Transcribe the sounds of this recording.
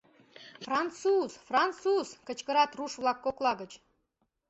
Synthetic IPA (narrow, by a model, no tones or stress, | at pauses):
frɑnt̪suz̥frɑnt̪suz̥kə̆t͡ɕkə̆ɾɑt̪ruʃvlˠɑkːoklˠɑɣə̆t͡ɕ